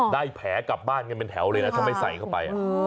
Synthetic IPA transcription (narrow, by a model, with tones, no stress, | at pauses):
daː˥˩jpʰɛː˩˦ka˨˩p̚baː˥˩nka˧npe˧nt̪ʰɛ˩˦wlɤː˧jna˦˥t̪ʰa˧ma˥˩jsa̰˨˩˦jkʰa˥˩wpa˧jʔa̰˨˧